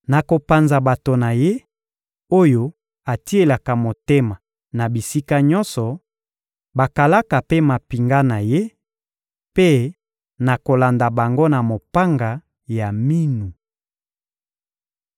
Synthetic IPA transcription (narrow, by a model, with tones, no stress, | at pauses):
na˨ko˨pa˨nza˨ba˨to˨na˨je˦ | o˦jo˦ | a˨ti˦e˨la˨ka˨mo˨te˦ma˨ | na˨bi˨si˦ka˦ɲɔ˦nsɔ˨ | ba˨ka˨la˦ka˨pe˦ma˨pi˨ŋɡa˦na˨je˦ | pe˦ | na˨ko˨la˨nda˨ba˨ŋɡo˦na˨mo˨pa˦ŋɡa˨ | ja˨mi˦nu˨